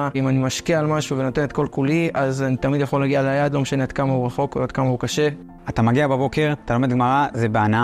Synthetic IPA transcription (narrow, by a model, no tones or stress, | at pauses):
imanimaʃkiaːlmaʃuvenot̪e̞net̪̚ko̞lkuliazanit̪amid̪jaχo̞lːaɡialajadlo̞meʃanead̪kamauʁaχo̞kad̪̚kamaukaʃe̞ | at̪amaɡiababo̞ke̞ʁat̪alo̞me̞d̪ɡmaʁazebeana